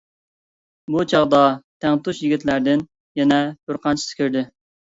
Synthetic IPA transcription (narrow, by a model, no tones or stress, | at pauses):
but͡ʃʰɑʁd̪ɑt̪ʰɛŋt̪uʃjɪɡʲit̪læɾd̪ɪn | jɛnɛbɪɾqʰɑnt͡ʃʰi̥sɪ̥kʲøɾd̪ɪ